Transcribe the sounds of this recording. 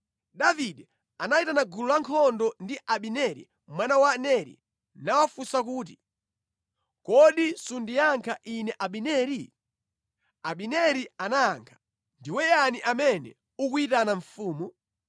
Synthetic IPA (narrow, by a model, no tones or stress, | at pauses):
ɗaviɗɛ | anaitanaɡululaŋkʰɔndɔndiʔaɓinɛɾḭ | mwanawanɛɾḭ | nawafusakuːt̬i | kɔɗisundijaŋkʰaʔinɛʔaɓinɛːɾi | aɓinɛɾianaːŋkʰḁ | ndiwɛjaniʔamɛnɛ̰ | ukwitanaɱfuːmu